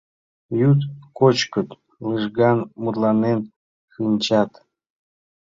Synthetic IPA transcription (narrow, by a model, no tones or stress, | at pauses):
jut̪kot͡ɕkət̪ | lɨʒɡɑnmut̪lɑnen | ʃɨnʲt͡ɕɑt̪